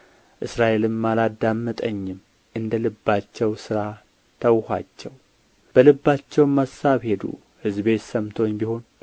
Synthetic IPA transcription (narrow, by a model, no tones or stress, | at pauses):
ʔɨsɾaʔe̞lɨmːalad̪amːət̪ʼəɲːɪm | ʔɨnd̪əlɨbːat͡ʃːɛwsɨɾa | t̪ʰəwha̰t͡ʃːɛw | b̥əlɨbːat͡ʃːɛwmasaβhe̞d̪ṵ | hɨzbe̞t̪səmt̪ʰo̞ɲːbiho̞n